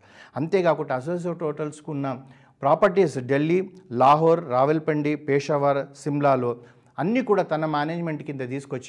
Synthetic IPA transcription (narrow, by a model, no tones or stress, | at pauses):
ɐnt̪eːɡaːkuʈːɐːɐs̬oːs̬ɐʋʈoːʈɐlskunːɐ | pɾaːpɐɾʈisɖelːilaːɦoːɾːaːʋelpɐɳɖipɛːʂɐʋaːɾsimlaːloː | ɐnːiːkuːɽaːt̪ɐnɐmaːneːd͡ʒmeɳʈkind̪ɐt̪̬iːsu̥kot͡ʃː